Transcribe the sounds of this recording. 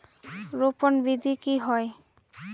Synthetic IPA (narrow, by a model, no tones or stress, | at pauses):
ɾoponbid̪ʱikiɦɔe